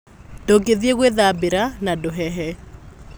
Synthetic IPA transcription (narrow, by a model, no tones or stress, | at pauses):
doɡeðieɣweðabeɾanadoɦɛɦɛ